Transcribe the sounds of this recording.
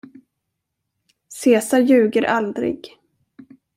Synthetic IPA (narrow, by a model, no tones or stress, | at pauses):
seːsaɾjʉ̟ːɡəɾʔald̪ɾɪ̰ɡ